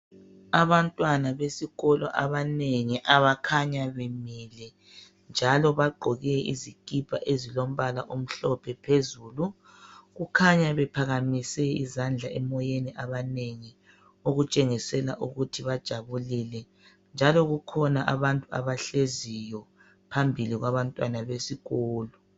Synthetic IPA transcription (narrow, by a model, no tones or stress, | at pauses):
aβantʼwanaβesiɣɔlɔ̰ʔaβaneŋiʔaβakʰaɲaβemilɛ | nd͡ʒʱalɔβaɡ͡ǃʱɔɣɛḭzikʼib̥ʱa̰ʔezilom̩βalaʔom̩ɬɔpʰɛpʰezuːlu | ɣukʰaɲaβɛpʰaɣamisɛḭzand͡ɮʱaɛmɔjeniʔaβaneŋi | uɣut͡ʃʼeŋisɛla̰ʔuɣutʰiβad̥ʒ̥ʱaβulilɛ | nd͡ʒʱalɔɣukʰɔnaʔaβantʼua̰βaɬezijɔ | pʰambʱiliɣwaβantʼwanaβesiɣɔːlɔ